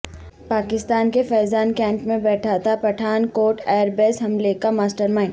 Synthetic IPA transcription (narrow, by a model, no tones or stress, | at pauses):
paːkɪst̪aːnkefɛːzaːnkɛ̃ːmpmẽbɛːʈʰat̪ʰapɐʈʰaːnkoːʈɛːɾbeːsɦɐmlekamaːsʈəɾmã